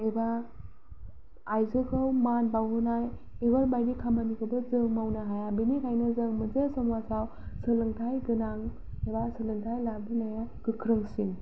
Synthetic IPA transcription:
eba | jzɯkʰɯwmanbawɦɯnaj | ebalbajnikʰamanikʰɯbɯzɯŋmawnaɦajabinikʰajnɯzɯŋmɯzesɔŋwasaw | sɯlɯŋtʰajɡɯnaŋ | ebasɯlɯŋtʰajlabɯnajaɡ̥ɯkʰɾɯŋsin

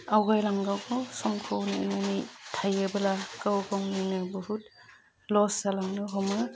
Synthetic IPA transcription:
awɡajlaŋɡawkɔwsɔmkʰowninanitʰajɯbɯlakɯwɡawnɯnɯbɯɦut | lɔsalaŋnɯɦɔmɯ

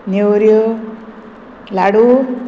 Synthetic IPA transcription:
newɾjo | laɽu

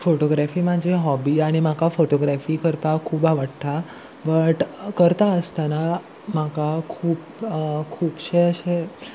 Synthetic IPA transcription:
foʈoɡɾæfiːmad͡ʑʱeɦɔbiːaɽ̃imakafoʈoɡɾæfiːkəɾpakʰuːbaʋəɽt̪ʰa | bəʈkəɾt̪aəst̪ana | makakʰuːpkʰuːpɕeəɕe

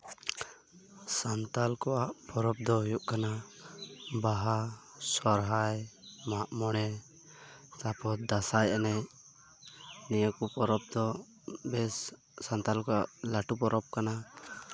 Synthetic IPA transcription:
sant̪alkɔʔaʔpɔɾɔp̚d̪ɔɦujuʔkana | baɦa | sɔɾɦajmaʔmɔɽ̃ɛ | t̪apɔtd̪asajʔɛnɛj | nijəkupɔɾɔp̚d̪ɔ | bɛsː | ant̪alkɔaʔlaʈupɔɾɔp̚kana

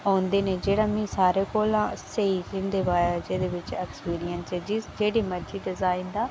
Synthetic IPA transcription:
aːʊnd̪eːneːd͡ʒeːɽaːmĩːsaːɾeːkoːlãːseid͡ʒɪnd̪eːʋaːjad͡ʒeːd̪eːʋɪt͡ʃɛːkspiːɾɪjənsed͡ʒɪd͡ʒeːɽiːməd͡ʒiːɖɪzaːind̪aː

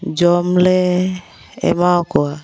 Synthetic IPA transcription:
d͡ʒɔmlɛ | ɛ̰makoa

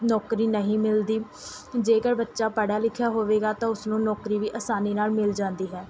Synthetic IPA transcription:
nɔːkɾiːnəɦĩːmɪld̪iː | d͡ʒeːkəɾbətːʃaːpəɽaːlɪkʰːjaːɦoːʋeːɡaːt̪ãːʊsnũːnɔːkɾiːʋiːʔəsaːniːnaːlmɪld͡ʒãːnd̪iːɦɛː

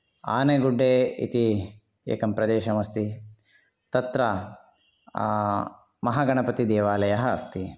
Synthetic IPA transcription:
a̰ːneɡuɖːeːḭt̪i | ḛːkɐmpɾɐd̪eːʃɐmɐst̪i | t̪ɐt̪ɾɐ | mɐɦaːɡɐɳɐpɐt̪id̪eːʋaːlɐjɐɦɐɐ̰st̪i

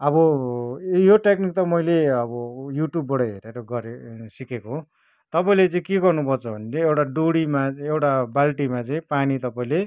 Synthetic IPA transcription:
ʌbʌ | joʈeknik̚t̪ʌmʌjleʌbʌjuʈjubːʌɽʌɦḛɾeɾʌɡʌɾesikekoɦ | t̪ʌpaĩlet͡sʌ̃ĩkeɡʌrnupʌrt͡sʰʌbʱʌnet͡sʌ̃j̃ewʈaɖoɽimaewʈabalʈimat͡sʌĩpanit̪ʌpaĩle

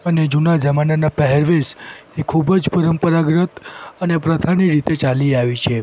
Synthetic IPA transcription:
əned͡ʒunad͡ʒəmananapɛɦɛɾʋesekʰubd͡ʒpəɾəmpəɾaɡɾət̪ənepɾət̪ʰaniɾit̪et͡ʃaliaʋit͡ʃʰe

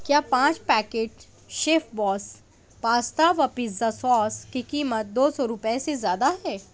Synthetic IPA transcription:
kjaːpãːt͡ʃpɛːkeːʈ | ʃeːfbɔːs | paːst̪aʋapɪzasɔːskikiːmət̪̚d̪oːsɔɾʊpesezjaːd̪aɦɛː

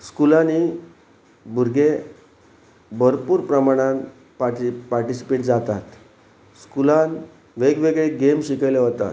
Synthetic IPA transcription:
skulani | bʱuɾɡe | bəɾpuːɾpɾəmaɽ̃ãn | papaɾʈisi̥peʈd͡zat̪at̪ | skulan | ʋeɡʋeɡɭeɡemɕikəjleɦot̪a̰t̪

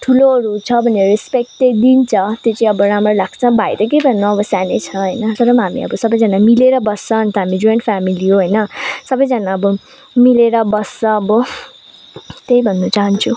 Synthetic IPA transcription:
ʈʰuloʌɾut͡sʰʌbʱʌneɾɾispek̚ʈed̪int͡sʰʌt̪jot͡sʌĩʌbʌɾamrʌlaɡ̚t͡sʰʌ̃bʱajɾʌkejbʱʌnːuʌbʌsanet͡sʰʌɦʌjnʌt̪ʌɾʌmɦamḭʌ̰bʌsʌbʌjd͡zʌnamileɾʌbʌsːʌɦʌnt̪ʌɦamid͡ʒujeɳʈpʰamiliɦoɦʌjnʌsʌbʌjd͡zʌnaʌbʌ | mileɾʌbʌsːʌ̃ʌbʌ | t̪ejbʱʌnːut͡saɦʌnt͡sʰu

